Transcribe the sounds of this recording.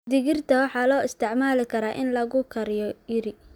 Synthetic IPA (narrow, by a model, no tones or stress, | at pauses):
d̪ɪɣɪrt̪ʰɐwɑħɑːlɔːɪst̪ʰɛʕmaːlɪkʰɐɾaːʔɪnlɐɣʊkʰɐɾjɔjɪɾɪ